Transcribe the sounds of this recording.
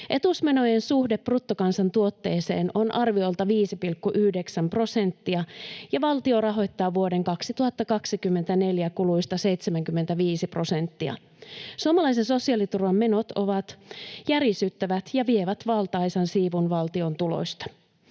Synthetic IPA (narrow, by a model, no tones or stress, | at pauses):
ʔe̞t̪usme̞no̞jensuhdepːrut̪ːokɑnsɑnt̪uo̞t̪ːe̞ːse̞̰ːno̞nʔɑrʋio̞jlt̪ɑʋiːsipilkːuʔyhdeksæmpro̞se̞nt̪ːiɑjɑʋɑlt̪io̞rɑɦo̞jt̪ːɑːʋuo̞de̞ŋkɑksit̪uhɑt̪ːɑkɑksikymːe̞nt̪æne̞ljækuluist̪ɑse̞jt̪semæŋkymːe̞nt̪æʋiːsipro̞se̞nt̪ːiɑ̰ | suomɑlɑjs̬enso̞siɑlit̪urʋɑmme̞no̞t̪o̞ʋɑt̪jærisyt̪ːæʋæt̪jɑʋie̞ʋæt̪ʋɑlt̪ɑjsɑnsiːʋunʋɑlt̪io̞nt̪ulo̞̰sʲt̪ɑ̥